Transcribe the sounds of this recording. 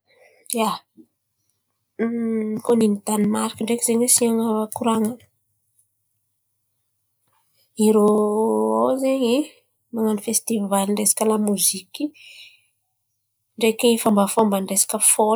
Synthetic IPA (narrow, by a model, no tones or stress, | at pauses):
ja | koninit̪animaɾikəɳɖ͡ʐekizeɲwesiaŋakuɾaŋan | iɾo | owzeɲi | maŋanifest̪ivaliɳɖ͡ʐesḁkʲəlamuziki | ɳɖ͡ʐekeifambafombaɳɖ͡ʐesḁkəfo